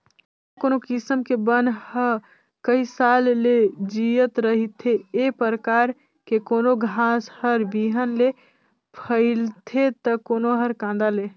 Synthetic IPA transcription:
konokisəmkebənhə | kəisalːed͡ʒijət̪ɾəɦit̪ʰeepɾəkaɾ | kekonoɡʱãshəɾbiɦənle | pʰəɪlt̪ʰet̪əkonoɦəɾkãnd̪ale

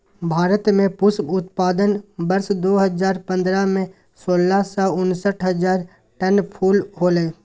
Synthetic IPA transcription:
bʱaːɾət̪mẽpʊskʊt̪paːd̪ənbəɾsd̪oːɦəzaːɾpə̃nd̪ɾamẽ | soːlasaʊnsəʈʰɦəzaːɾ | ʈənpʰuːlɦoːlẽː

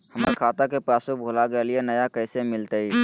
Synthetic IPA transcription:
həmekʰaːt̪akepɾaːsubʱolaɡəelienəjakəɪsemɪlt̪əi

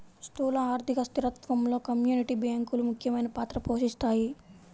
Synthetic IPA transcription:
stuːlɐaːɾd̪ʱikɐst̪iɾɐt̪ʋɐmlo̞ːkɐmjuːniʈibjaːŋkulumukʰjɐmɐjnɐpaːt̪ɾɐpoːʂist̪aːji

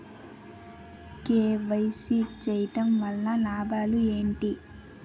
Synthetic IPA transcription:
keːʋɐjsit͡ʃɛːjiʈɐmʋɐlːɐlaːbaːlue̞ːɳʈi

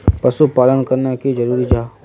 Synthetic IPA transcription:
pɐsupaːlənkɐɾnakid͡ʒɐɾuːɾid͡ʒaː

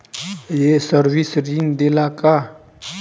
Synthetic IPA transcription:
jesəɾwisɾind̪elaka

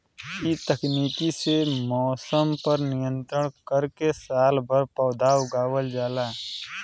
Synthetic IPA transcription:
it̪əkniːkisemɔːsəmpəɾnɪjə̃nt̪ɾəɽ̃kəɾkesaːlbəɾpəːd̪ʱaːwɡaːwəld͡ʒaːlaː

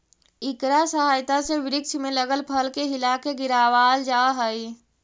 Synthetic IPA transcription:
ɪkɾasəɦaːjt̪aseʋɪɾɪkʃmẽləɡəlpʰəlkeɦɪlakeɡɪɾaːʋaːld͡ʒaːɦəi

